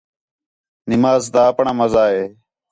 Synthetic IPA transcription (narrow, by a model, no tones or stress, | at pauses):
nimaːzd̪aːpɳamɐzaːɦeː